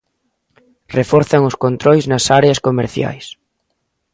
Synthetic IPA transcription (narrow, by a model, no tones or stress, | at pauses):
refɔɾθɐŋʊskont̪ɾojznɐsaɾeɐskomḛɾθja̰js